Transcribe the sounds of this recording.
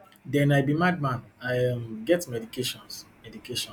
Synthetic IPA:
dɛ̃najbimad̚mãnajmɡɛtmɛdikeʃɔ̃nsmɛdikeʃɔ̃

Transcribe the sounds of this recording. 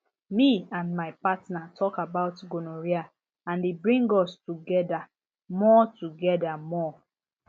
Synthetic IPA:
miãnmaɪpatnatʰɔkabaʊtɡonoɹia | ãndebɹĩŋɡɔstuɡɛda | mɔtuɡɛdamɔ

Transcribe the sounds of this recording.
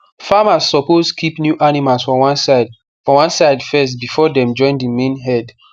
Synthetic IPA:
famasːɔposkʰipnjuʔanimalsfɹɔ̃wasd | fɹɔ̃wãnsaɪdfɛst̚bifɔdɛ̃md͡ʒɔ̃ɪ̃ndimẽnɦɛd

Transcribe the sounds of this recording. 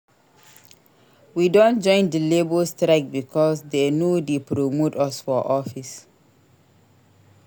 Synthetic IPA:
widõnd͡ʒɔ̃ɪ̃ndəlebolstɾaɪk̚bikʰɔsdenodepɾomotɔsfɔʔɔfis

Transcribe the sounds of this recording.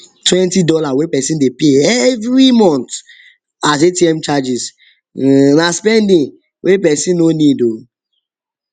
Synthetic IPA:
twɛ̃ntidɔlawepɛsĩndepeɛvɾimɔ̃nt | az̬etiɛmt͡ʃad͡ʒis | naspɛndĩŋ | wʔepɛsĩnːonido

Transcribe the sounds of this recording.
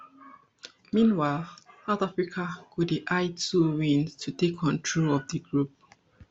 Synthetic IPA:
mĩnwaɪlˠsaʊtafɹikʰakudiʔaɪtuwĩntʰutekʰɔ̃ntʰɹolɔvdəɡɹup̚

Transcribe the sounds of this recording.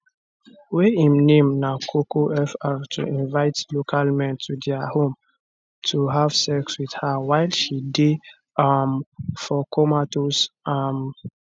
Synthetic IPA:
weĩmnẽmnakʰokoʔɛfatʰṵĩnvaɪtlokʰalmɛ̃ntʰudɛahõm | tʰuɦav̥sɛkswið̥hawaɪlʃide | amfɔkɔmatosam

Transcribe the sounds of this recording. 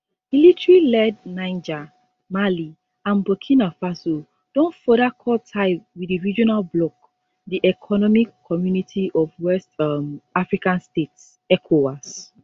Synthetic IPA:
militɹilɛdnãɪ̃nd͡ʒa | mali | ãnbɔkʰĩnafaso | d̥ɔ̃nfɔɾakʰɔltʰaɪwidiɹid͡ʒɔnalblɔk | diʔɛkʰɔnɔmikʰːɔmjunitʰiʔɔvwɛstmafɹikãnstets | ɛkʰowas

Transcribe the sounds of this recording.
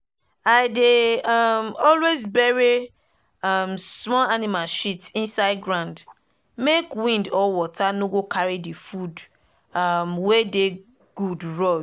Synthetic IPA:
aɪdeʌmɔlwezbɛɹi | ʌmsmɔlanimalʃitsĩnsaɪd̚ɡɹãʊ̃nd | mekwĩndɔwɔtʰanoɡokʰaɹidifud | ʌmwɛde | ɡ̥udɹɔ

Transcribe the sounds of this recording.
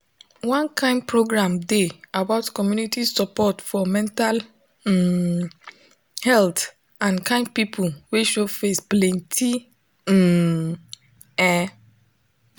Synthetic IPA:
wɔ̃nkãɪ̃nd̚pɹoɡɹãmdeabaʊtkɔmjunitisɔpɔtfɔmɛ̃ntal | hɛlt | ãnkãɪ̃nd̚pipʰulweʃofesplɛ̃ntʰi | ɛ

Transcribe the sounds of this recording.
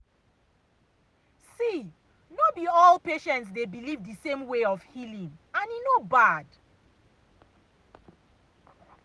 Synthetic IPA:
si | nobiɔlˠpeʃɛ̃ntsdebilivdisẽmweɔfhilĩŋãninobad̥

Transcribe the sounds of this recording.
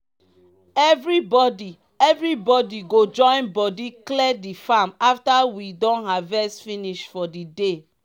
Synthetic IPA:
ɛvɹibɔdi | ɛvɹibɔdiɡod͡ʒɔ̃ɪ̃nbɔdiklɛdifamaftawidɔ̃nɦavɛsfiniʃtfɔdide

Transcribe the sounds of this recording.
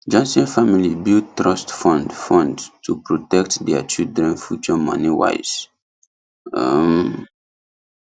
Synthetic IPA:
d͡ʒãnsɛ̃nfamilibildtɹɔstfɔ̃ndfɔ̃ndtʰupɹotɛk̚tdɛat͡ʃildɹɛ̃nfjut͡ʃɔmɔ̰̃niwa̰ɪz̥ | am

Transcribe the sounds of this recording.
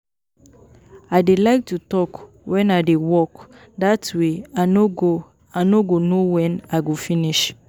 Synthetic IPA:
aɪdelaɪk̚tutɔk | wʔɛ̃naɪdewɔk | datweanoɡo | anoɡonowɛ̃naɡofiniʃ

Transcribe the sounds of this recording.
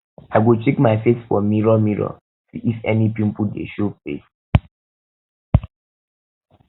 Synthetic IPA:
aɪɡut͡ʃekmaɪfesfɔ̰miɹɔmiɹɔ̰ | siʔifɛnipĩmpudḛʃofḛs

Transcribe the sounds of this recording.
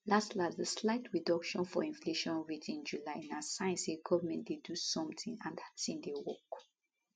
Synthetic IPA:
lastlasdəslaɪtɹidɔkʃɔ̃nfɔ̰ĩnfleʃɔ̃nɹitʰĩnd͡ʒulaɪ̃nasãɪ̃nseɡɔvəmɛ̃ntdedusɔ̃mtʰĩŋãnasĩndewɔk

